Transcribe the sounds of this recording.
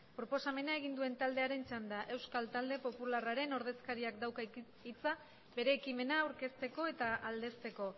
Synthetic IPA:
pɾo̞po̞same̞nae̞ɣ̞ind̪ue̞nt̪ald̪e̞aɾe̞nt͡ʃand̪aʔe̞wskalt̪ald̪e̞po̞pularaɾe̞no̞ɾðe̞skaɾiakd̪awka | it͡sa | be̞ɾe̞ːkime̞naːwɾke̞st̪e̞ko̞e̞t̪aʔald̪e̞st̪e̞ko̞

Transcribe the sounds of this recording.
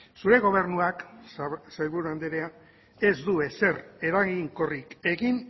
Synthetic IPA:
suɾe̞ɣ̞o̞β̞e̞ɾnuak | sajβuɾuand̪eɾea | e̞zd̪ue̞se̞re̞ɾaɣiŋko̞rike̞ɣin

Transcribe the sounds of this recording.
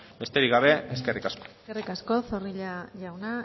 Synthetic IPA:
be̞st̪e̞ɾiɣaβe̞eske̞rikasko̥ | erikasko̞θoriʎaʎawna

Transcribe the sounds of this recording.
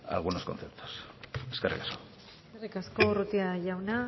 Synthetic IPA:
a̰lɣ̞unoskonθe̞p̚t̪ʰo̥seskerḭkḁsko | eskerikasko̞rut̪iaʝawna

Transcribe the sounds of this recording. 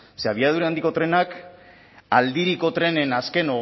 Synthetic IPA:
seaβ̞iað̞uɾeand̪iko̞t̪ɾe̞nak | ald̪iɾiko̞t̪ɾe̞ne̞naske̞no̞ɣ

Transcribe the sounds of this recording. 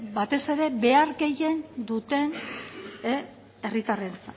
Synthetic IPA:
bat̪e̞se̞ɾe̞be̞aɾɡe̞je̞nd̪ut̪e̞n | e | e̞rit̪arelt͡sa

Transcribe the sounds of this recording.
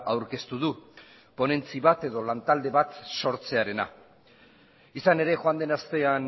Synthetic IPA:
awɾke̞st̪uðu | po̞ne̞nt͡siβat̪e̞ðo̞lant̪ald̪e̞βat̪so̞ɾt͡se̞aɾe̞na̰ | isane̞ɾe̞xoand̪e̞nast̪e̞an

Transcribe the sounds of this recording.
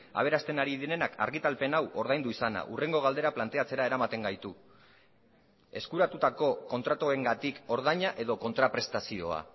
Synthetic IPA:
a̰β̞e̞ɾast̪e̞naɾiðiɾe̞nakʰa̰ɾɣ̞it̪alpe̞nawʔo̞ɾð̞ajnd̪uisana̰ʔure̞ŋɡo̞ɣald̪e̞ɾaplant̪e̞at͡se̞ɾaeɾamat̪e̞ŋɡajt̪u | e̞skuɾat̪ut̪ako̞ko̞nt̪ɾat̪oe̞ŋɡat̪iko̞ɾð̞aɲaʔe̞ðo̞ko̞nt̪ɾapɾe̞st̪asio̞̰a̰

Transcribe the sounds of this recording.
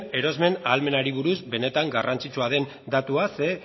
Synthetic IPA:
e̞ɾo̞zme̞nalme̞naɾiβ̞uɾuzbe̞ne̞t̪aŋɡarant͡sit͡ʃuað̞e̞n | d̪at̪uase̞

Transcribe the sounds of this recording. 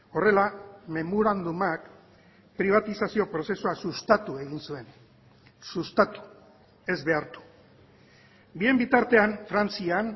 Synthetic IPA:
o̞re̞lame̞moɾand̪umak | pɾiβ̞at̪isasio̞pɾo̞se̞suasust̪at̪ue̞ɣ̞insue̞n | sust̪at̪u̥ | e̞zβe̞aɾt̪u̥ | bie̞mbit̪aɾt̪e̞anfɾant͡sian

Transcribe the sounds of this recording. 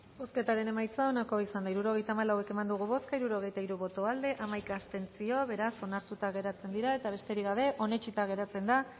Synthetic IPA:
bo̞ske̞t̪aɾe̞ne̞majt͡sao̞nako̞isand̪aiɾuɾo̞ɣ̞e̞jt̪aːmalawe̞ke̞mand̪uɣuβo̞skaiɾuɾo̞ɣ̞e̞jt̪aiɾuβo̞t̪o̞ald̪e̞ʔamajkaːst̪e̞nt͡sio̞βe̞ɾaso̞naɾt̪ut̪aɣ̞e̞ɾat͡se̞nd̪iɾae̞t̪aβ̞e̞st̪e̞ɾiɣaβe̞ʔo̞ne̞t͡ʃit̪aɣ̞e̞ɾat͡se̞nd̪a

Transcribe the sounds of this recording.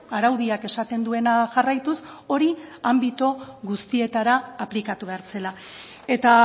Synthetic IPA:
aɾawðiake̞sat̪e̞nd̪ue̞naʝarajt̪uso̞ɾiambit̪o̞ɣust̪ie̞t̪aɾaːplikat̪uβe̞aɾt͡se̞la | e̞t̪a

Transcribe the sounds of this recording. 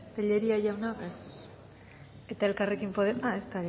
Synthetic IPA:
t̪aʎeɾiaʝawnakes | e̞t̪ae̞lkarekimpo̞ðemae̞st̪aɾe

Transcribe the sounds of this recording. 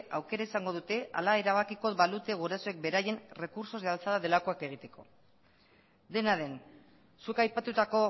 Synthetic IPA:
awke̞ɾaesaŋɡo̞ð̞ut̪e̞ʔa̰lae̞ɾaβ̞akiko̞βalut̪e̞ɣ̞uɾasoe̞k̚be̞ɾaje̞nre̞kuɾso̞zðealt͡saðaðe̞lako̞ake̞ɣ̞it̪e̞̥ko̞̰ | d̪e̞naðe̞n | sukajpat̪ut̪ako̞

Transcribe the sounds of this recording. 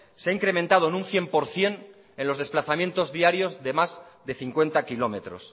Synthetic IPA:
seaiŋkɾe̞mẽnt̪að̞oenũnθje̞mpo̞ɾθje̞n | e̞nlo̞zð̞e̞splaθamjẽ̞nt̪o̞zðiaɾjo̞zðe̞mazðe̞θiŋkwent̪akilo̞me̞t̪ɾo̞̰s

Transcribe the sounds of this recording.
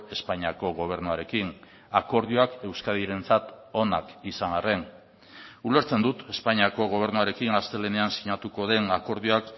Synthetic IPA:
e̞spaɲiako̞ɣ̞o̞β̞e̞ɾnuaɾe̞kin | ako̞ɾðioake̞wskaðiɾe̞nt͡sat̪o̞nakisaŋare̞n | ule̞ɾt͡se̞nd̪ut̪e̞spaɲiako̞ɣ̞o̞β̞e̞ɾnuaɾe̞kiŋast̪e̞le̞ne̞ansiɲat̪uko̞ðe̞nako̞ɾðioak

